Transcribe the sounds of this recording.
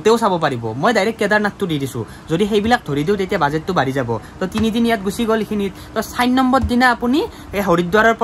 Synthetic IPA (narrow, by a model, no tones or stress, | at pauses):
teʊsabɔpaɹibɔ̰mojdajɾɛkːɛdaɹnattʊdidisʊ̰̃ | zodixejbilak̚dʱoɹidiʊtetijabazɛtːʊbaɹizabɔtɔtinidinjat̚ɡusiɡɔlikʰinittɔsajnːɔmbɔtdinaːpuni | eɦoɹid̚dwaɹɔɹp